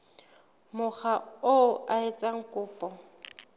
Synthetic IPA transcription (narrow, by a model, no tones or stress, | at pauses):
mʊχaoʔaɪt͡sʼaŋ̩kʼʊːpʼɔ